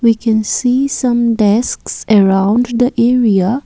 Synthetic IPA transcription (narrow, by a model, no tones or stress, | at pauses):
wikʰɛ̃nsiːsʌ̃mɖɛsksəɹãʊ̃nɖd̪əʔɛɹia